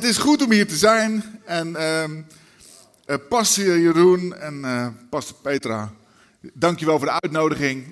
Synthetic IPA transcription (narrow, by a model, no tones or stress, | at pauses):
ətɪsχutɔmɦiːɹtəzɛjnɛnə | pɑsijərunɛnpɑspejtraː | dɑŋkjəʋɛlˠfʊːdəœɥtnowdəχɪŋ